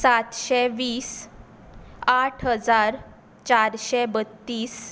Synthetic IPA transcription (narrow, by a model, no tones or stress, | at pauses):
sat̪ɕɛʋiːs | aʈʰɦəd͡zaɾ | t͡ɕaɾɕɛbət̪ːiːs